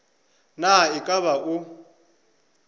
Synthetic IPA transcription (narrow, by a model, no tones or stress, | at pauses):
naikʼaβaʔu